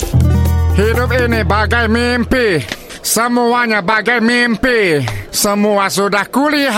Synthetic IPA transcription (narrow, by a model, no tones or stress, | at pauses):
hidʊp̚inɪbaɡajmimpi | səmuaɲabaɡajmimpisəmuas̬udahkuliɦ